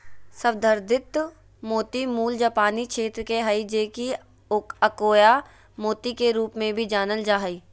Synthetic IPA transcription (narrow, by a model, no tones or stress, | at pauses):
səʋd̪ʱəɾd̪ʱɪt̪ | moːt̪imuːld͡ʒaːpaːnikʃeːt̪ɾəkeɦɐid͡ʒeːki | kəkoːja | moːt̪ikeɾuːpmẽbʱid͡ʒaːnəld͡ʒaːɦəiː